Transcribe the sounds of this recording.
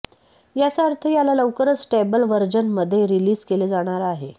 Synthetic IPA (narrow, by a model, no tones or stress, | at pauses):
jasaəɾt̪ʰəjalaləʋkəɾət͡ssʈebəlʋəɾd͡ʑənməd̪ʱːjeɾiliːd͡zkeled͡zaɽ̃aɾaɦe